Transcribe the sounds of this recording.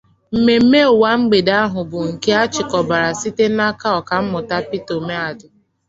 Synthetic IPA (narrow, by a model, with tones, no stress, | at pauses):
m̩˨me˨m̩˦me˦˨wa˦ŋ͡m̩˦ɡ͡be˨da˦ɦʊ˨bʊ˨ŋ̩˨ke˦a˦t͡ʃɪ˨kɔ˨ba˨ɾa˨si˦te˦na˦ka˦ɔ˨ka˨m̩˦mʊ˨ta˦pi˦to˨me˦a˨dʊ˨